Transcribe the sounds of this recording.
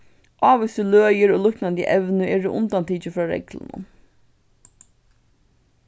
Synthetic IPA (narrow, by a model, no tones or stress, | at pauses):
ʔɑːʋʏst̪əløːjəɾoːlʊhknand̪jə̰ʔɛʋnʏɛːɹʊʔʊ̰nt̪ant̪ʰiːt͡ʃəfɾɑːɹɛ̰klə̰nʊ̰n